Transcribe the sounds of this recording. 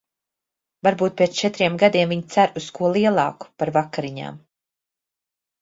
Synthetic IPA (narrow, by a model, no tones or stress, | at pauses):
vaɾbuːt̪̚pʲiɛːt̪st͡ʃɛt̪ɾiɛmɡad̪iɛmviɲt̪sæɾuskuɔlˠiɛlˠɑ̰ːku̥paɾvakːaɾiɲa̰ːm